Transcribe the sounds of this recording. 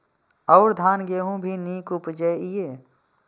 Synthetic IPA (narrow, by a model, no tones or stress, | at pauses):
ɔːɾd̪ʱaːnɡeːɦũbʱiniːkʊpd͡ʒɛːieː